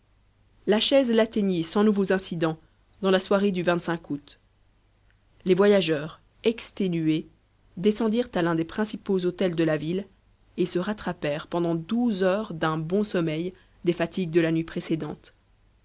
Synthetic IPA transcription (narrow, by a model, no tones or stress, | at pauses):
laʃɛzlat̪eɲisɑ̃nuvozɛ̃sid̪ɑ̃ | d̪ɑ̃laswaʁed̪yvɛ̃t̪sɛ̃kut̪ | levwajaʒœːʁ | ɛkst̪enye | d̪esɑ̃d̪iʁt̪alɛ̃d̪epχɛ̃sipozot̪ɛld̪əlavil | esəʁat̪χapɛʁpɑ̃d̪ɑ̃d̪uzœʁd̪ɛ̃bɔ̃sɔmɛj | d̪efat̪iɡ̚d̪əlanɥipχesed̪ɑ̃t̪